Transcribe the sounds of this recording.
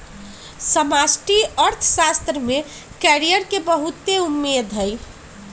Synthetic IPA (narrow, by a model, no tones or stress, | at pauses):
səmasʈiəɾt̪ʰsast̪ɾəme | kɛɾijəɾkebəɦut̪ːeumːed̪ʱɦəj